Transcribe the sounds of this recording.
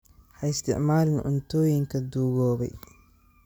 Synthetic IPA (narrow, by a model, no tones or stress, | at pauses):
ħɐɪst̪ʰɪ̰ʕmaːlɪnʔʊ̰nt̪ʰɔːjɪŋkʰɐd̪uːɣɔːβɛ̰j